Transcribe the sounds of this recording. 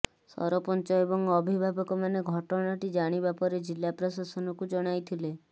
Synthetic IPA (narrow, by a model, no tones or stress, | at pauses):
sɔ̰ɾɔpɔnt͡ʃɔebɔŋɔbʱibʱabɔkɔmaneɡʱɔʈɔɽ̃aʈid͡ʒaɽ̃ibapɔɾed͡ʒilːapɾɔsasɔnɔkud͡ʒɔɽ̃ajt̪ʰile